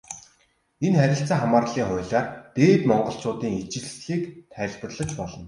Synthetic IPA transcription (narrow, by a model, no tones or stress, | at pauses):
enχæɾʲɪ̆ɬt͡saːχamaːrɮiːŋχʊjɮaːrt̪eːt̪mɔɴɢɞ̆ɬt͡sʊːt̪iːŋit͡ɕɪ̆ɮsɮiːkt̪ʰæ̆ːɮpə̆rɮə̆t͡ɕpɔɮɞ̆n